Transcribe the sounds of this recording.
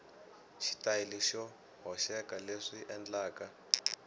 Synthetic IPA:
ʃi̥tajiliʃɔ | ɦɔʃɛkaleʂiʔɛnd͡ɮaːka

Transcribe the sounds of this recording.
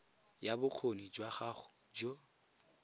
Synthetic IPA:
jabʊk͡xʰonid͡ʒwaχaχʊ̥ | d͡ʒo

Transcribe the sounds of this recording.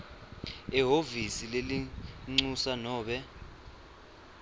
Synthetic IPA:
ɛɦovisileliŋ͡ǀusanɔːɓɛ

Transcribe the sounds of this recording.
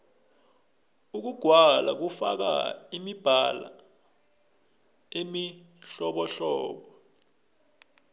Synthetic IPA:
uk̬uɡ̥ʱwala̰k̬ufa̰k̬a̰imib̥ʱala̰ | emi | ɬɔɓɔɬɔːɓɔ

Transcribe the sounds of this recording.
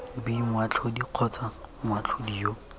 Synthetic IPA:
biŋwat͡ɬʰɔdiq͡χʰɔt͡saŋwat͡ɬʰodijo

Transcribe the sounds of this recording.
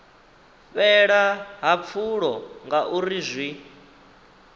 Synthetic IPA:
ɸɛɺaɦap̪fʰuɺɔŋɡaʔuɾizʷwi

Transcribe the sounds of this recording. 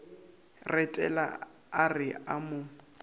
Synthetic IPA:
rɛtʼɛ̰la̰ | arɪamʊ

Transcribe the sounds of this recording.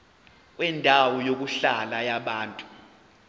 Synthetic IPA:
k̬ʼwɛndʱawɔjok̬uɬalajaɓaːntʼu̥

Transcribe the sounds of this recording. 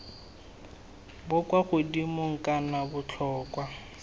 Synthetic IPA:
bʊkwaɣʊdimʊŋ̩kʼanabʊt͡ɬʰɔːkʼwa

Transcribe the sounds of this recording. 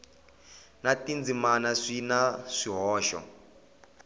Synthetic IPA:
natind͡zimanaʂinaʂiɦɔːʃɔ̰

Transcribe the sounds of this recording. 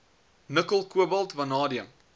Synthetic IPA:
nəkəlˠkuəbɐlˠtvɐnɑːdiəm

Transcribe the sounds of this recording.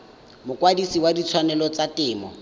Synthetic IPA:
mʊkwadisiwadit͡sʰwanɛlɔt͡satɪːmɔ

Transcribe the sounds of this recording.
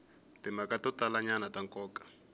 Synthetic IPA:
tɪmakatɔtalaɲanataŋkɔːkḁ

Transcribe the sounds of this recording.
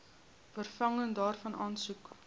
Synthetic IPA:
fərfɐŋəndɑːrfɐnʔɑːnsuk

